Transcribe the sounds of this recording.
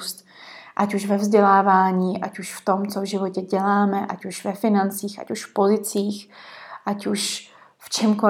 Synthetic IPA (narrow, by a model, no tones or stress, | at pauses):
st̪ | ʔacuʃvɛvzɟɛlaːvaːɲiːʔacuʃft̪o̞mt͡sovʒɪvocɛɟɛlaːmɛʔacuʃvɛfɪnant͡siːxa̰cuʃfpo̞zɪt͡siːxʔacuʃ | ft͡ʃɛmko